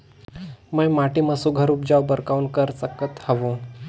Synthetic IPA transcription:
məjmaʈiməsuɡʱəɾuːp̚d͡ʑawbəɾkaunkəɾsəkət̪həʋũ

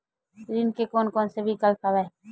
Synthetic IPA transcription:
ɾinkekoːnkoːnsebʱikɐlpʰaʋae

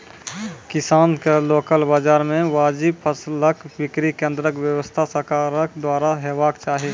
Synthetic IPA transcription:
kɪsaːnkeloːkəlbaːd͡ʒaːɾmẽʋaːd͡ʒibpʰəsləkbɪkɾikẽːnd̪ɾəkwjəwəst̪ʰasəɾkaːɾəkd̪waːɾaɦeːbaːkt͡ʃaːɦi

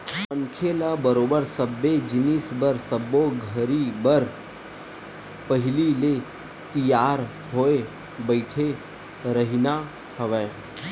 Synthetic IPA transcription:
əŋkʰelabəɾoːbəɾsəbːed͡ʒɪnisbəɾsəboɡʱəɾibəɾ | pəɦɪlile | t̪ijaːɾ | ɦoe | bəɪʈʰe | ɾəɦina | həʋeː

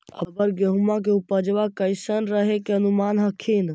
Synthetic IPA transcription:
əbəɾɡəɦumak̬eupəd͡ʒʋakəɪsənɾəɦekeənumanɦəkʰin

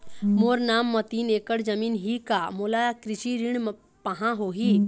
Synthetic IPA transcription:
moːɾnaːmːɐt̪iːneːkəɽd͡ʒəmiːnɦikamoːlakɾɪʃiɾiɳ | pɐɦãɦoːɦi

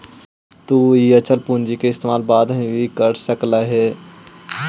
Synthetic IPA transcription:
t̪uːiət͡ʃəlpũːnd͡ʒikeɪst̪eːmaːlbaːd̪mẽbʱikəɾsəklaɦɛː

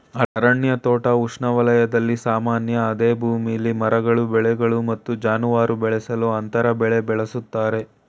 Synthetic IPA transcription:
ɐɐɾɐɳjɐt̪ɔːʈɐuʂɳɐʋɐlɐjɐd̪ɐlːisaːmaːnjɐːd̪eːbʱuːmijɐlːimɐɾɐɡɐɭubɛɭɛɡɐɭumɐt̪ːud͡ʒaːnuʋaːɾubɛɭɛsɐluɐnt̪ɐɾɐbɛɭebɛɭesut̪ːaːɾe̞

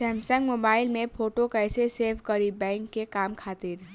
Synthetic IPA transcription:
ɛːmsə̃ŋɡmoːbaːɪlmẽpʰoːʈokəɪseseːpʰkəɾibɛ̃ːŋkːekaːmkʰaːt̪ɪɾ

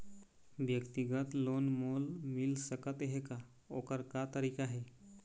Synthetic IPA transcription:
ʋjəkt̪iɡət̪lonmolmilsəkət̪ɦeka | o̰kəɾkat̪əɾikaɦe

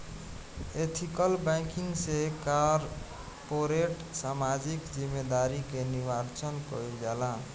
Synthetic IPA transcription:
et̪ʰikəlbãkiŋɡsekaɾ | poɾeʈ | samad͡ʒikd͡ʒimːed̪aɾikeniwaɾt͡ʃənkɔ̰jd͡ʒalã

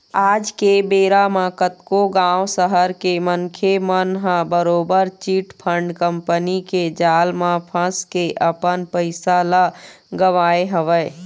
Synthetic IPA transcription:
aːd͡ʒkebeːɾamãkət̪koɡãwsəɦəɾkemənkʰemənɦãbəɾoːbəɾt͡ʃiʈpʰəɳɖkəmpəniked͡ʒaːlmãpʰə̃skeʔəpənpəɪsalə | ɡəʋaːeɦəʋəɪ

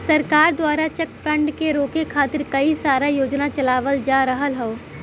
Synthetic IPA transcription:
sɐɾkaːɾd̪waːɾat͡ʃɛkfʰɾə̃ɳɖkeɾoːkekʰaːt̪ɪɾkɐisaːɾajoːd͡ʒnat͡ʃɐlaːʋəld͡ʒaːɾɐɦəlɦɛoː

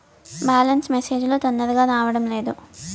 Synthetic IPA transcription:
baːlɐnsmese̞ːd͡ʒulut̪ɐnːɐɾɐɡaːnaːʋɐɽɐmle̞ːd̪u

